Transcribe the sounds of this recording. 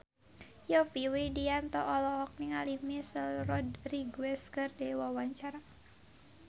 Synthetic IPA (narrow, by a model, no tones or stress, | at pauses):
jɔpiwidiant̪ɔʔɔlɔhɔk̚niŋalimisəlrɔdriɡwɛskərdɛwawaɲt͡ʃaɾa